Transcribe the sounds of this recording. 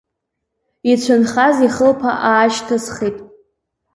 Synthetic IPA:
it͡ɕʷʰanχaziχəlpʰa̰ʔaːʃtʰasχitʼ

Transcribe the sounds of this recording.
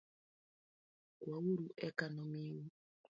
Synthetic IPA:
kwawuɾuʔɛkanɔmiwu

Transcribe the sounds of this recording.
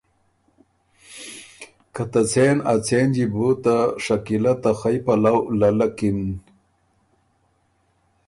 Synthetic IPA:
kʰat̪at͡sʰenat͡sʰend͡ʑibut̪aʂɐkilat̪axajpɐlawlɐlɐkin

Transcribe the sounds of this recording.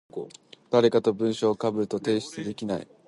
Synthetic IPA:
d̪̥aɾe̞kat̪o̞bɯ̟̃ɰ̃ɕo̞ːkabɯ̟ɾɯ̟t̪o̞t̪e̞ːɕi̥t͡sɨd̪e̞kʲinaḭ

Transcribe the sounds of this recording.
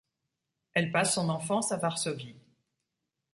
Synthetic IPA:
ɛlpasːɔ̃nɑ̃fɑ̃savaʁsɔvi

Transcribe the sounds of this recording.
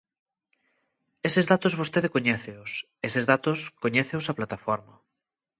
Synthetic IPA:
esɪzðat̪ozβost̪eðekoɲɛθeʊs | esezðat̪ʊskoɲɛθeʊsaplat̪afɔɾmɐ

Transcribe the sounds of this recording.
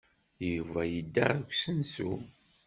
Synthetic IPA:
juvæjəd̪ːaɾkʷsənsu

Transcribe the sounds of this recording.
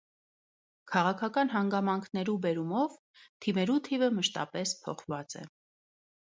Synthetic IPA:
kʰɑʁɑkʰɑkɑnɦɑŋɡɑmɑŋkʰnɛɾubɛɾumɔv | t̪ʰimɛɾut̪ʰivəməʃt̪ɑ̰pɛspʰɔ̰χvɑt͡sɛ̰

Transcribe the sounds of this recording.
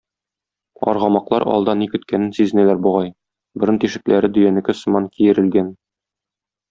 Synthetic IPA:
ɒ̰ɾʁɑmɑqlˠɑɾɒ̰lˠd̪ɑnikɵ̆t̪kænɘnsizɘ̆nælæɾbuʁɑj | bɘ̆ɾɤnt̪iʃɘ̆klæɾɘd̪ɵ̆jænɘ̆kɘsɤ̆mɑnkijɘ̆ɾɘ̆lɡæn

